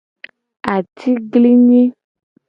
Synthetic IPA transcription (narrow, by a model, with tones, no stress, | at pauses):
a˨tʰi˦ɡli˦ɲĩ˦